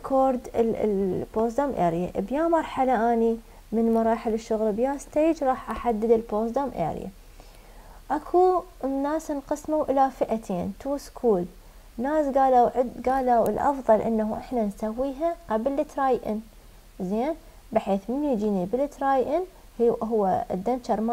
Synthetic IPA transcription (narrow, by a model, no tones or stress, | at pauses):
kʰoːɾd̪̰ | boːsd̪amʔḛːɾja̰ʔbjaːmɑɾˤħalaʔaːni | mɪnmɑɾˤɑːħɪlɪʃːʊɣlbjaːst̪eːd͡ʒɾˤɑːħʔaħad̪ːɪd̪ɪlboːsd̪amʔḛːɾ̰ja̰ | ʔakʰunːaːsnqɨsmawʔɪlafɪʔat̪ʰeːnt̪uːskʰuːl | naːsɡaːlaɡaːlawɪlʔɑ̰fðˤɑlʔɪ̰nːahuʔɪħnansawːiːɦaʔabɪlːɪt̪ɾˤaːjʔɪn | zeːn | bɪħeːθmɪnːujd͡ʒiːnibɪlɪt̪ɾaːjʔɪn | hɦʊwːa̰d̪ːant͡ʃɑɾˤma